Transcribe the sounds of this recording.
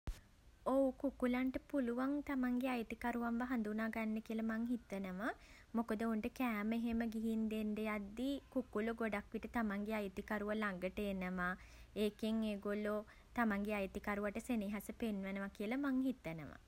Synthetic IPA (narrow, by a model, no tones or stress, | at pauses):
oukukulaɳʈəpuluʋaŋt̪amaŋɡeajt̪ikaɾuʋambaɦand̪unaːɡanːəkiəlɐmaŋɦit̪ːənəʋa | mokəd̪əoɳʈəkæːmeɦeməɡiɦind̪enɖejad̪ːikukuluɡoɖakʋiʈət̪amaŋɡeajt̪ikaɾuʋalaŋɡəʈəenəʋa | eːkeŋeːɡolo | t̪amaŋɡeajt̪ikaɾuʋaʈəseniɦasəpenʋənəʋakiəlɐmaŋɦit̪ːənəʋa̰